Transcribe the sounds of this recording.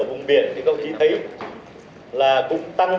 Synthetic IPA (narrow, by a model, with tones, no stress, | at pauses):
vʊ̰˨˩ŋ͡mvi˨˩˨ənt͡ɕŋkə˧˩wŋ͡mxi˨˦t̪ʰi˨˦ | laː˨˩kʊ̰˧˥ŋ͡mt̪a˧ŋ